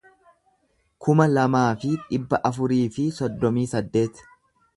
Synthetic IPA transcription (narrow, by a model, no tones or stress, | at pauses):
kʊmɐlɐmaːfɪᶑɪbːɐʔɐfʊɾiːfɪsɔd̪ːɔmiːsɐd̪ːe̞ːt̪